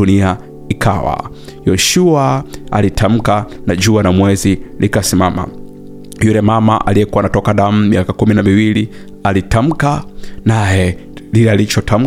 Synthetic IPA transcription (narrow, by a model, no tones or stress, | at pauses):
unia | ikʰa̰wa̰ | jɔʃuaa̰litʰam̩kanad͡ʒuanamwɛzilikasimama̰ | julɛmamaʔa̰liɛkuwanatɔkaɗam̩miakakuminamiwili | alitam̩kanajɛdilɛalit͡ʃɔtam̩